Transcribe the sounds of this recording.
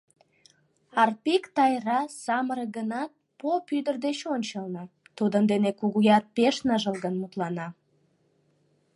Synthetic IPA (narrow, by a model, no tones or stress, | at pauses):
ɑrpikt̪ɑjrɑsɑməɾəɡənɑt̪̚popyd̪ərd̪et͡ɕonʲt͡ɕəlnət̪ud̪ənd̪enekuɣujɑr̚peʃnəʒəlˠɣənmut̪lɑnɑ